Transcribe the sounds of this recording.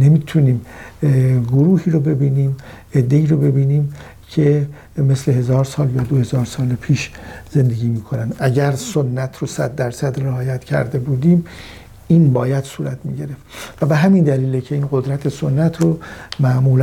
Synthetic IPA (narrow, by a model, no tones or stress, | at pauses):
ne̞miːt̪ʰuniːm | ɡoɾuːhiːɾobe̞biːniːm | e̞d̪ːe̞iːɾobe̞biːniːm | cʰe̞ | me̞sle̞ɦe̞zɒːɾsɒːljɒːd̪ohe̞zɒːɾsɒːlpʰiːʃze̞nd̪e̞ɡiːmiːkʰonænd̪ʔæɟæɾso̞nːæt̪ʰɾosæd̪ːæɾsæd̪reɒːjæt̪ʰcʰæ̰ɾd̪e̞buːd̪iːm | iːnbɒːjæd̪̥suːɾæt̪ʰmḭɟe̞ɾe̞ft̪væbe̞ɦæmind̪æliːlecʰe̞inɢo̞d̪ɾæt̪ʰe̞sonːæt̪ʰɾomæʔmuːl